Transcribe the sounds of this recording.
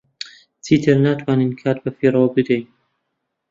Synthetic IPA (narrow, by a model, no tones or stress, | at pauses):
t͡sʰiːt̪ʰɨɾnaːt̪ʰwaːninkʰaːt̪̚bɐfiːɾawbɨd̪ɛjn